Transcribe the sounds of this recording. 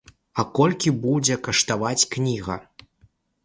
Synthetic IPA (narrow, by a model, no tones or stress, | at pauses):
ɐkɔlʲkʲibud͡zʲɛkɐʂt̪avat͡sʲknʲiɣɐ̰